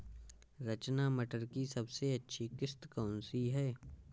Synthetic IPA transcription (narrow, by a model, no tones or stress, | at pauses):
ɾɐt͡ʃnamɐʈəɾkisɐbseɐtːʃʰikɪst̪kɔːnsiɦɛː